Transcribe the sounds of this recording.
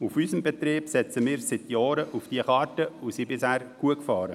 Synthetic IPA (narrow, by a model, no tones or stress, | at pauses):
ufyːsəmbɛt̪ɾiːb̥sɛt͡səmɪːɾsɪt̪jɑːɾəʔufd̥iəχɑːɾtəusiːbɪshæːɾɡ̥uəkfɑːɾə